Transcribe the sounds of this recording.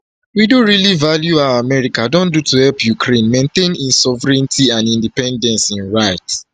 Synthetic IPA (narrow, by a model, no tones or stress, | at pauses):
widõɹilivaljuaamɛɹikadõndutuhɛlpjukʰɹẽnmẽntẽnĩnsɔvəɹɛ̃ntʰiãnĩndipɛ̃ndɛ̃nsĩnɹaɪt